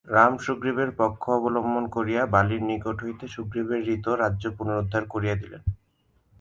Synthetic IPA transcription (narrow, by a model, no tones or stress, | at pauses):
ɾamʃuɡɾibeɾpɔkʰːoɔbolombʱonkoɾijabaliɾnikoʈʰɦojt̪eʃuɡɾibeɾːit̪oɾadːʑopunoɾud̪ʱːaɾkoɾijed̪ilḛn